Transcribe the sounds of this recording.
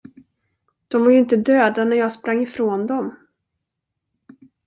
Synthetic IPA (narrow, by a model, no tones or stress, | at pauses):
d̪̥ɔmvaɾjʏɵɪnt̪əd̪øːd̪anæɾjɑːɡspɾaŋːɪfɾoːnd̪ɔm